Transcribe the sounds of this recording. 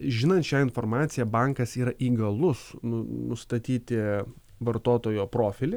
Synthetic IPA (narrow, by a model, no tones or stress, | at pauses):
ʒʲɪnɐnt̪ʃʲɛːɪnfoːɾmɑːt̪sʲɪjɛbɑŋkɐsiːɾɐʔiːɡɐlˠʊsnʊnʊst̪ɐt̪ʲiːt̪ʲɪ | ʋɐɾt̪oːt̪oːjoːpɾoːfʲɪlʲɪ